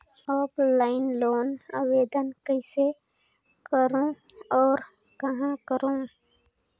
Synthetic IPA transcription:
ɔːplaːɪnloːnaweːd̪ənkəɪse | kəɾõ | ɔːɾ | kəɦãkəɾõ

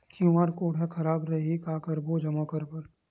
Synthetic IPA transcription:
kjũaːɽkoːɽɛkʰɐɾaːbɾɐɦikaːkɐɾboːd͡ʒɐmaːkəɾpɐɾ

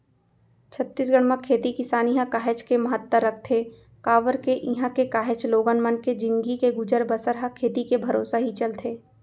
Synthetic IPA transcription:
t͡ʃʰɐt̪ːiːs̬ɡəɽ̃məkʰːeːt̪ikɪsaːniɦãkaːɦɪt͡ʃkemɐɦət̪ːəɾːɐk̚ʰt̪ʰeː | kaːʋəɾkeʔiɦãkekaːɦɪt͡ʃloːɡənmənked͡ʒɪ̃ŋɡikeɡʊd͡ʒəɾbəsəɾɦakʰeːt̪ikebʱɐɾoːsaɦit͡ʃɐlt̪ʰeː

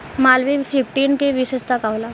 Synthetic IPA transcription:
maːlʋipʰifʰʈiːnkeʋisəst̪akawla

